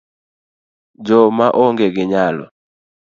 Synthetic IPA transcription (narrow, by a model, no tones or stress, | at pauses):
d͡ʒɔmaʔɔŋɡɛɡɪɲalɔ̰